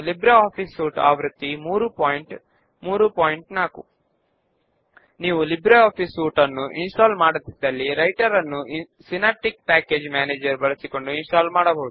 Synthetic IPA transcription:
libɾɐaːpʰiːsuːʈa̰ːʋɾut̪ːimuːɾupoːjɳʈ | muːɾupoːjiɳʈnaːkṵ | niːʋulibɾɐaːpʰiːsuːʈɐnːuʔinsʈaːlmaːɽɐt̪ːid̪ɐlːiɾɐjʈɐɾɐnːu | sinaːʈik̚paːkeːd͡ʒmaːneːd͡ʒɐɾbɐɭɐsiko̞ɳɖuinsʈaːlmaːɽɐbɐːd̪u

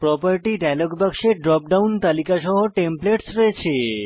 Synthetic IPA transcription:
pɾɔpəɾʈiɖajloɡbakʃeɖɾɔp̚ɖawnt̪alikaʃɔɦoʈempleʈsɾɔet͡ɕʰe

